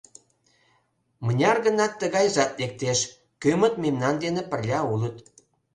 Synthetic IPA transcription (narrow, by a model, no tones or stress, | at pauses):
mənʲɑrɣə̆nɑt̪ːəɣɑjzɑt̪̚lek̚t̪eʃ | kømə̆t̪memnɑnd̪enepə̆rlʲɑulət̪